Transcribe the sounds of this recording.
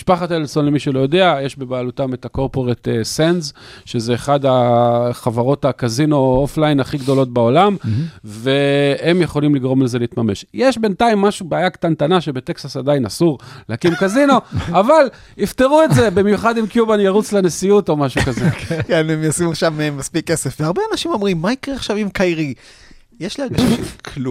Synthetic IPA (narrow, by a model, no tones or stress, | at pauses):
miʃpaχat̪eleso̞nlemiʃulo̞jo̞de̞ajeʃbe̞baːlutame̞tako̞ʁpo̞ʁet̪esenzʃezeːχadaχavaʁo̞takazino̞oflajinaχiɡd̪o̞lo̞t̚bao̞lamveemje̞χo̞limliɡʁo̞mleze̞liːt̪mame̞ʃjeʃbe̞ntaimːaʃubeajakt̪ant̪anaʃe̞be̞t̪e̞ksasadainasuʁleakimkazino̞aval | ifteʁuetze̞bimjuχadimkjubanjaʁut͡slenesijuto̞maʃukazekenemjosimuʃamemaspikːesefveaʁbeanaʃimo̞mʁimːaikʁeaχʃavimkajʁi | jeʃliaɡaʃakʰlu